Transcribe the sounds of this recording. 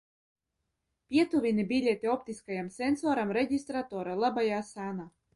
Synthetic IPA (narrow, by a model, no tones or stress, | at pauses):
pʲiɛt̪uvʲinʲibʲilʲet̪ʲiɔpt̪ʲiskajamsʲensɔːɾamɾeɟʲist̪ɾat̪ɔːɾalˠabajaːsanaː